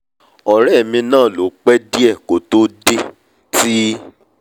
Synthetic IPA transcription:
ɔ˨ɾɛ˦˨mĩ˧nãː˦˨lo˨˦k͡pɛ˦di˦ɛ˦˨ko˨to˦de˦ | ti˦

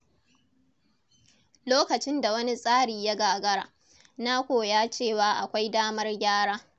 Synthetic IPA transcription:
loː˦kɐ˨t͡ʃɪ˦nda˨wɐ˦ni˦sʼaː˦ɽiː˨ja˦ɡaː˨ɡɐ˦ɾa̰ː˨ | na˦kʷoː˨jaː˦t͡ʃeː˦˨waː˦ʔa˨kʷa˦jdaː˦mɐ˦rɡʲaː˦ɽaː˦

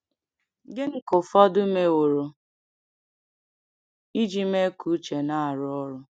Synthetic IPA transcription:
ɡɪ˦ŋ̩˦kʊ˨fɔ˦dʊ˦me˦wo˨ɾo˨ | i˦d͡ʒi˦me˦ku˨˦t͡ʃe˨na˦a˨ɾʊ˦ɔ˦ɾʊ˦

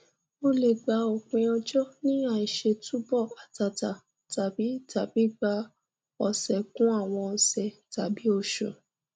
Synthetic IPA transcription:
o˦le˨ɡ͡ba˧˦o˨k͡pẽ˧ɔ˧d͡ʒɔ˦nĩ˦a˨i˨ʃe˧tu˦bɔ˦˨a˨ta˧ta˨ | ta˨bi˨˦tʰa˨bi˨˦ɡ͡ba˧˦ | ɔ˧sɛ˨kũ˦a˦˨w̃ɔ̃˧sɛ˨ta˨bi˨˦o˦˧˨ʃo̰˨

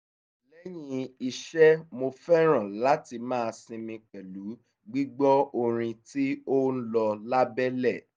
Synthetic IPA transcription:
lɛ˦j̃ĩ˧i˧ʃɛ˦mo˧fɛ˦ɾ̃ã˨la˨˦ti˧mãː˦˧sĩ˧mĩ˧k͡pɛ˨lu˨˦ | ɡ͡bi˦ɡ͡bɔ˦o˧ɾ̃ĩ˧ti˦o˦n̩˦lɔ˧la˦bɛ˦lɛ˦˨

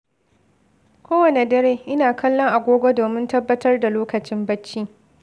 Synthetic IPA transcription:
kʷoː˦wɐ˨ne˨dɐ˦ɾeː˦ʔɪ˦naː˨kʰɐ˦lːɔ˦ŋʔa˨ɡʷoː˦ɡʷo˦doː˨mɪ˦ntɐ˦bːɐ˦tɐ˦rda˨loː˦kɐ˨t͡ʃɪ˦mbɐ˦t͡ʃːiː˦

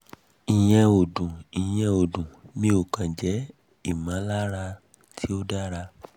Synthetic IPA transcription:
i˨j̃ɛ̃˧o˨dũ˨i˨j̃ɛ̃˧o˨dũ˨mĩ˦o˦˨kã˨d͡ʒɛ˨˦ | i˦˨mã˨˦la˦ɾa˧ | tʰi˦o˦da˦ɾa˧

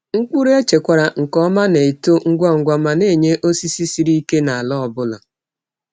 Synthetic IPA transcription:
ŋ̩˦k͡pu˦ɾe˦t͡ʃe˨kʷa˨ɾa˨ŋ̩˨kɔ˦ma˦ne˨e˨to˦ŋ̩˦ɡʷɔ˦˨ŋ̩˨ɡʷa˦ma˨ne˦˨ɲe˦ʔo˦si˦si˦si˨ɾi˦i˦ke˦na˨a˨lɔ˦˨bʊ˦la̰˨

